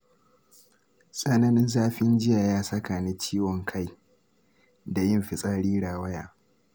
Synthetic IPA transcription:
sʼɐ˦nɐ˦nɪ˦nzaː˦ɸɪ˦nd͡ʒɪ˦jaː˨jaː˦sɐ˦kaː˨ni˦t͡ʃiː˦wɔ˨ŋkʰa˦˨j | da˨jɪ˦mɸɪ˨sʼa˦ɽiː˦ɽaː˨wɐ˦ja̰ː˨

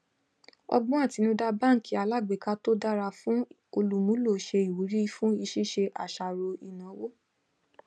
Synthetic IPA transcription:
ɔ̰˧ɡ͡bɔ̃˦a˦˨ti˨˦nĩ˧da˧bã˦˨ŋ̩˨ki˨˦a˨la˦˨ɡ͡be˨ka˧to˦da˦ɾa˧fũ˦ | o˧lu˨mũ˦lo˦˨ʃe˧i˨wu˨˦ɾi˦fũ˦i˧ʃi˦˨ʃe˧ʔa˨ʃa˨ɾo˧i˨nã˨˦wo˦

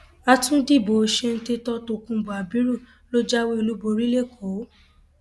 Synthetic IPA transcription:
a˧tũ˦di˦˨bo˨ʃe˧n̩˦te˧tɔ˦to˧kũ˧˦bo˨a˨bĩ˨˦ɾu˦˨ | lo˦d͡ʒa˦we˦i˧lu˦bo˧ɾi˦le˦˨kʰo˨˦

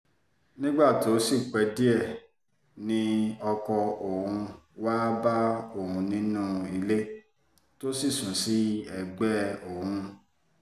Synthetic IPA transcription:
nĩ˦ɡ͡ba˦˨ti˨o˦si˦˨k͡pɛ˨˦di˦ɛ˦˨ | nĩ˦ɔ˧kɔ˧o˨hũ˧waː˦ba˦o˦˨hũ˧˦nĩ˦nũ˦i˧le˦ | to˦si˦˨sũ˨si˦ɛ˦˨ɡ͡bɛ˦o˨hũ˧

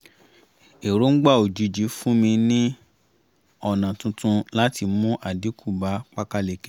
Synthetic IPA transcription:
e˨ɾo˨˦ŋ̩˦ɡ͡ba˦˨o˨d͡ʒu˨˦d͡ʒi˨˦fũ˦mĩ˧nĩ˦ | ɔ˦˨nã˨tũ˨˧tũ˧la˦ti˧mũ˦ʔa˨di˨˦kʰu˦˨ba˨˦k͡pa˦ka˦le˨ke˨

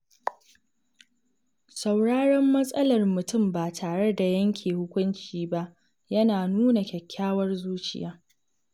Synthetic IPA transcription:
sa˨wɽaː˦ɽɛ˦mːɐ˦sʼɐ˦lɐ˨rmʊ˨tʊ˦˨mbaː˨tʰaː˨ɽe˦da˨jɐ˦ŋkʲʰeː˨hʊ˦kʷʊ˦nt͡ʃiː˦ba˦ʔ | jɐ˦naː˨nuː˦na˨kʲɛ˨kʲʰːaː˦wɐ˦rzuː˦t͡ʃɪ̰˨jaː˦

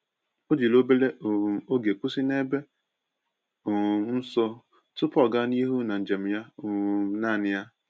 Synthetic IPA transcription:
o˦d͡ʒi˨lo˦be˦le˦˨o˦ɡe˨kʷu˦si˦ne˦be˦˨ | n̩˦sɔ˦ | tʊ˦pɔ˦˨ɡa˦ni˦ɦu˦na˨n̩˨d͡ʒe˨m̩˨ja˦˨na˦˨nɪ˨ja˦

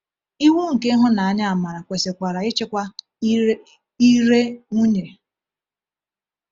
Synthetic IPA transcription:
i˦wu˦ŋ̩˨ke˦ɦʊ˦na˨a˦ɲa˦a˨ma˨ɾa˨kʷe˨se˨kʷa˨ɾa˨ɪ˦t͡ʃe˦kʷa˦ | i˦ɾe˦ŋu˦ɲe˨

